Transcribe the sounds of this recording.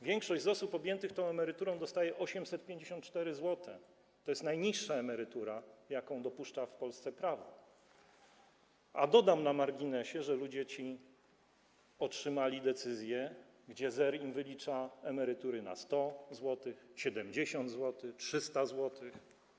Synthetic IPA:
vʲjɛŋkʂɔʑd͡ʑʲzɔsupɔbʲjɛnt̪ɘxt̪ɔ̃w̃ɛmɛɾɘt̪uɾɔ̃w̃d̪ɔst̪ajɛʔɔɕɛmsɛt̪̚pʲjẽɲd͡ʑeɕɔnt̪̚t͡ʂt̪ɛɾɘzwɔt̪ʰɛ | t̪ɔjɛst̪najɲiʂːaɛmɛɾɘt̪uɾajakɔ̃w̃d̪ɔpuʂt͡ʂafpɔlst̪sɛpɾavɔ̰ | a̰d̪ɔd̪amnamaɾɡʲinɛɕɛʐɛlud͡ʑɛt͡ɕi | ɔtʂɘmalʲid̪ɛt̪sɘzʲjɛ | ɡd͡ʑɛzɛɾimvɘlʲit͡ʂaɛmɛɾɘt̪uɾɘna̰st̪ɔzwɔt̪ɘxɕɛd̪ɛmd͡ʑeɕɔnd̪zwɔt̪ɘxtʂɘst̪azwɔt̪ɘx

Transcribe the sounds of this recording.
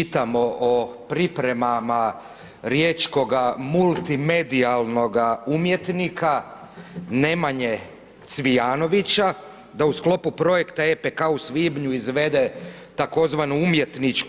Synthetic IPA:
it̪amo̞ʔopɾipɾe̞mama | ɾje̞t͡ʃko̞ɡamult̪ime̞d̪ialno̞ɡaumje̞t̪nika | ne̞maɲe̞ | t̪sʋijaːno̞ʋit͡ɕa | d̪ausklo̞pupɾo̞je̞kt̪aepekausʋibɲuizʋe̞d̪e̞ | t̪ako̞zʋanuumje̞t̪nit͡ʃk

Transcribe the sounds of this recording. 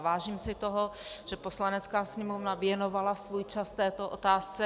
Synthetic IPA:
vaːʒiːmsɪt̪o̞ɦoʒ̥ɛpo̞slanɛt͡skaːsɲɛmovnavjɛno̞valasvuːjt͡ʃast̪ɛːt̪oʔot̪aːst͡sɛ

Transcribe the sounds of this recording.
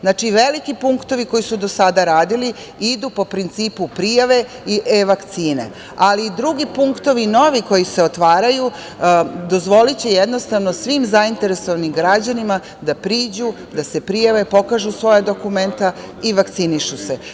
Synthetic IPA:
znaːt͡ʃiʋe̞likipuŋkt̪o̞ʋiko̞jisud̪o̞sad̪aɾaːd̪ili | id̪upo̞pɾint̪siːpupɾijaʋe̞ | iʔeʋakt̪siːnḛ | aliːd̪ɾuɡipuŋkt̪oʋino̞ʋiko̞jiseo̞t̪ʋaːɾaju | d̪o̞zʋo̞lit͡ɕejed̪no̞st̪aʋno̞sʋimzaint̪e̞ɾesoʋanimɡɾad͡ʑanima | d̪apɾiːd͡ʑu | d̪ase̞pɾijaʋe̞po̞kaʒusʋo̞jad̪o̞kume̞nt̪a | iʋakt̪siniʃuse

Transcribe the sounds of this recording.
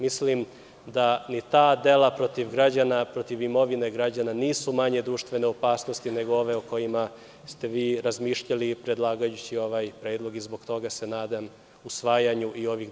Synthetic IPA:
mislim | d̪anit̪aːd̪e̞lˠapɾo̞t̪iʋɡɾad͡ʑanapɾo̞t̪iʋimo̞ʋine̞ɡɾad͡ʑananiːsumaɲe̞d̪ɾuːʃt̪ʋe̞ne̞opaːsno̞st̪ine̞ɡoo̞ʋe̞oko̞jima | st̪e̞ʋiːɾazmiːʃʎalipɾe̞d̪lˠaːɡajut͡ɕio̞ʋaːjpɾeːd̪lˠo̞ɡizbo̞ɡt̪o̞ɡase̞naːd̪am | usʋaːjaɲuʔio̞ʋix

